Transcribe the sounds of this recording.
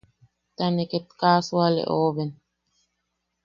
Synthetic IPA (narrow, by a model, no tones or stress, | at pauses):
t̪aneket̪̚kaːswalḛʔoːβɛn